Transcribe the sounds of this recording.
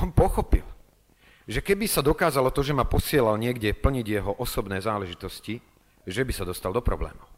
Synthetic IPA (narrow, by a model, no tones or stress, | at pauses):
ɔmpɔxɔpḭl | ʒɛkɛbisad̪ɔkaːzalɔt̪ɔʒɛmapɔsɪɛlalɲɪɛɡɟɛpl̩ɲiɟjɛɦɔʔɔsɔbnɛːzaːlɛʒit̪ɔsci | ʒɛbisad̪ɔst̪ald̪ɔpɾɔ̰blɛ̰ːmu